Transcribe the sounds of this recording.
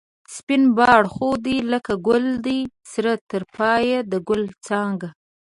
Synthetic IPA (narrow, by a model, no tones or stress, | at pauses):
spɪnbɑɽxod̪iləkaɡʊld̪isɾat̪ːəɾpɑjad̪əɡʊlt͡sɑŋɡa